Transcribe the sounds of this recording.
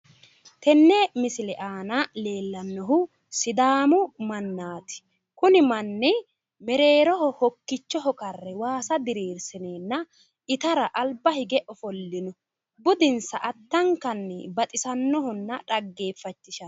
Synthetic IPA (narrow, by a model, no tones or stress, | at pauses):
t̪ɛnːɛmɪsɪlɛʔaːnɐle̞ːlːɐnːɔɦʊ | sɪd̪aːmʊmɐnːaːt̪ɪ̥ | kʊnɪmɐnːɪ | mɛɾe̞ːɾɔhɔhɔkːɪt͡ʃːɔɦɔkɐrːɛwaːsɐd̪ɪɾeːɾsɪneːnːɐ | ʔɪt̪ɐɾɐʔɐlbɐhɪɡɛʔɔfɔlːɪnɔ | bʊd̪ɪnsɐʔɐt̪ːɐŋkɐnːɛbɐt̪ʼɪsɐnːɔɦɔnːɐᶑɐɡːe̞ːfːɐt͡ʃːɪʃɐ